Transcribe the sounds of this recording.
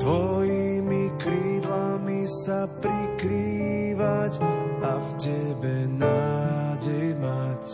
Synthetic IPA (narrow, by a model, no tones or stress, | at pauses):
d̪̥ʋɔjimikɾiːd̪lamisapɾikɾiʋacavcɛbɛnaːɟɛjmac